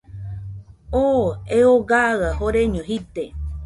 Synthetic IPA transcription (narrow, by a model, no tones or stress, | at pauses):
oeoɡaɣahoɾeɲõɦit̪e